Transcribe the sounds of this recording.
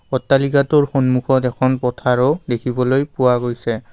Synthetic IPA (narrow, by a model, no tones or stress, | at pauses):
ɔtːalikatʊɹxɔnmuxɔtɛkʰɔnpɔtʰaɹodekʰibɔlojpʊwaɡojsɛ